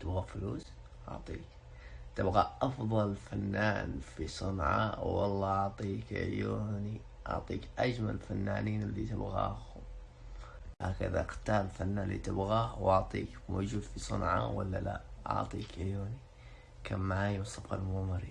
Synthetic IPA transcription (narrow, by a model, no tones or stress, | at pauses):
t̪ɪbɣafluːs | ʔɑ̰ʕt̪ˤiːk | t̪ɪbɣaʔɑfðˤɑlfanːaːnfisˤɑnʕɑ̰wɑlˤːɑʔɑʕt̪ˤiːkʕjoːni | ʔɑ̰ʕt̪ˤiːkʔad͡ʒmalfanːaːniːnɪlːit̪ɪbɣa̰ːhʊ | haːka̰ðaqt̪aːlfanːaːnlit̪ɪbɣaːhwɑʕt̪ˤḭːkmoːd͡ʒuːd̪fisˤɨɑ̰nʕɑ̰wa̰lːala̰ʔʔɑ̰ʕt̪ˤiːkɪʕjoːni | kʰaːmːaʕaːjmʊsˤɑbqalmʊmɑɾi